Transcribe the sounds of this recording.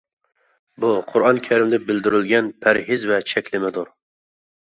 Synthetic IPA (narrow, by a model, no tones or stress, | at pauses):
buqʰʊɾɑnkʲʰæɾɪmlɪbɪld̪ɪɾɪlɡʲɛnpʰæɾɦɪzvɛt͡ʃʰɛkʲlɪmɪd̪ʊɾ